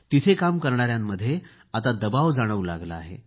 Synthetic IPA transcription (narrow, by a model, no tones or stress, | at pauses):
t̪it̪ʰekamkəɾɳaɾjamːəd̪ʱːje | at̪̬ad̪əbaʋd͡zaɽ̃əʋla̰ɡlaaɦḛ